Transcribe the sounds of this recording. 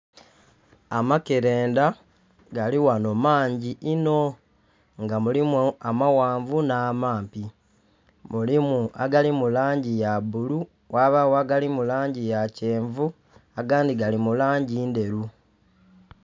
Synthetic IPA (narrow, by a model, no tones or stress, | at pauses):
amakeɾe̞ːnda | ɡaliwano̞maːɲɟiʔino̞ | ŋɡamulimamawaːɱvunaːmaːmpi | mulimua̰ɡalimulaːɲɟijabulu | wʔaβawaɡalimulaːɲɟijaceːɱvu | aɡaːndiɡalimulaːɲɟiːnde̞ɾu